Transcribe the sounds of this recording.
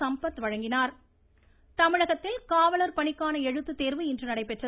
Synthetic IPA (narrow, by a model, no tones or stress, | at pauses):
ɐmpɐt̪ːʋɐɻɐŋɡɪnaːɾ | t̪ɐmɪɻɐɣɐt̪ːɪlkaːʋɐlɐɾpɐɳɪkːaːnɐɛɻɯt̪ːɯt̪ːeːɾʋɯɪndrɯnɐɽɐɪpɛʈrɐ